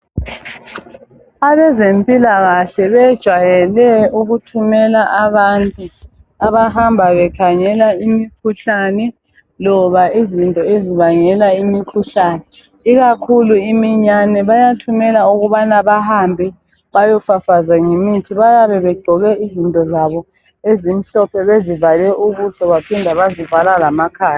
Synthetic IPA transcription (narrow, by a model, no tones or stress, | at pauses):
aβɛzempʼilaɣaɬɛβɛd̥ʒ̥ʱwajɛlɛuɣutʰumɛlaʔaβantʼu | aβahambʱaβɛkʰaŋɛlaimikʰuɬanɛ | lɔβaizintʼɔeziβaŋɛlaimikʰuɬanɛ | iɣakʰuluimiɲanɛβajatʰumɛlauɣuβanaβahambʱɛ | βajɔfafazaŋemitʰiβajaβɛβɛɡ͡ǃʱɔɣɛizintʼɔzaβɔ | ezin̩ɬɔpʰɛβezivalɛʔuβusɔβapʰindʱaβazivalalamakʰaːja